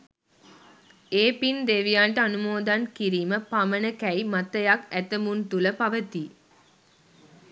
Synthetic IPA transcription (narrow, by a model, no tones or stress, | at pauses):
eːpind̪eʋijaːɳʈəanumoːd̪ankiɾiːməpamənəkæjmat̪əjakæt̪əmunt̪uləpaʋət̪i